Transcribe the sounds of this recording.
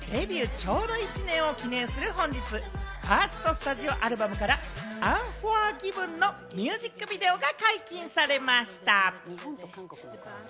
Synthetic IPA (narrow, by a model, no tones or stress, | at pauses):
d̪e̞bʲiɯ̟t͡ɕo̞ːd̪o̞it͡ɕinẽ̞ɰ̃o̞kʲinẽ̞ːsɨɾɯ̟ɦõ̞ɲ̟d͡ʑit͡sɨhaːsɨ̥t̪o̞sɨ̥t̪aʑio̞ʔaɾɯ̟bamɯ̟kaɾaãɰ̃ɸoaɡʲibɯ̟̃nːo̞ | mʲɨːʑikːɯ̟bʲid̪e̞o̞ɡakaikʲĩɰ̃saɾe̞maɕi̥t̪a